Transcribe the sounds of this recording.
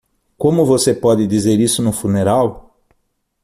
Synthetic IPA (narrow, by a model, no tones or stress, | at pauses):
kõmʊvosepɔd̪ɪd̪izeɾisʊnʊfuneɾaw